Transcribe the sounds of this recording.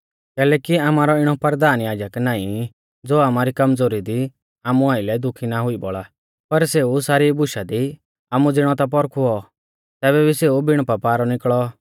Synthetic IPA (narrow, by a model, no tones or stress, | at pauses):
kɛːlɛːkiaːmaːɾɔɪɽ̃ɔpɐɾd̪aːnjaːd͡ʒəknaːĩ | d͡zoːaːmaɾikɐmd͡zoːɾid̪i | aːmuaːɪlɛd̪ʊkʰinaɦʊibɔɭa | pɐɾseːusaːɾibʊʃad̪i | aːmud͡zɪɽ̃ɔt̪ap̬ɔɾkʰuɔ | t̪ɛːβɛbʱiseːubɪɽ̃papaːɾɔnɪkɭɔ